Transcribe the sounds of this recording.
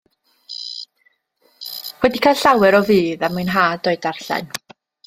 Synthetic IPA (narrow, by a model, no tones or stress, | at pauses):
wɛdikʰajlɬawɛɾɔviːðamɨnɦaːdɔɨdarɬa̰n